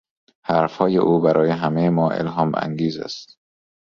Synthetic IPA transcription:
hæɾfhɒːjeʔuːbæɾʔɒːjeɦæmejemɒːʔḛlɦɒːmʔæ̰ŋɡiːzæ̰st̪

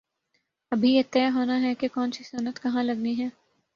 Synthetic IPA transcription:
ɐbʱiɪt̪ːɪjaɦoːnaɦɛkekɔːnsisʊnət̪kɐɦãlɐɡniɦɛ̃ː

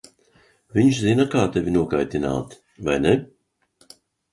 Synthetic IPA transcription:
viɲʃzinakaːt̪evʲinuɔkajt̪ina̰ːt̪ | va̰jnɛ

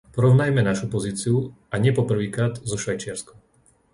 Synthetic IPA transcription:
pɔɾɔʊnajmɛnaʃupɔziːt͡siu | aɲɪɛpɔpr̩ʋiːkɾaːd̪zɔʃʋajt͡ʃɪaɾskɔ

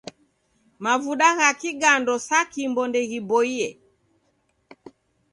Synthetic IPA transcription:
mavuɗaɣakiɡandɔsakimbɔndɛɣibɔiɛ

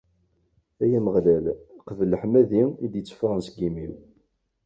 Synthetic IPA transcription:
æjæməʁlælqəvələħmæðiid̪jət͡sːə̥fɾənsəɡimiw

